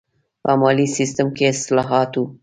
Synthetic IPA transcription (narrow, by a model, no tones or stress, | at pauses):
pəmɑlisist̪əmkeɪst̪lɑɦɑt̪wu